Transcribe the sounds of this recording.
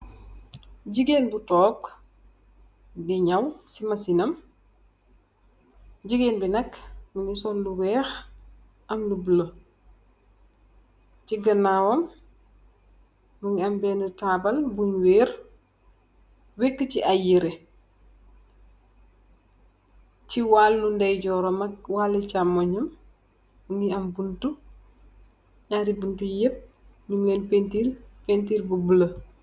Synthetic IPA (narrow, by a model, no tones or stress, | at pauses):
ɟiɡeːnbutɔːk | diɲɐwsimɐsinɐm | ɟiɡeːnbinɐkːmuŋisɔlluwɛːx | ʔɐmlubulo | ciɡɐnawɐm | muŋɐmbɛnutaːbɐlbuɲweːɾ | wekːət͡ʃiʔajiɾɛ | t͡ʃiwaːlːundɐjɟɔːɾɔmɐkwalit͡ʃamɔɲɐm | uniɐmbuntu | ɲaɾibuntujep̚ | nuŋlɛːnpentipentiːɾbəbulə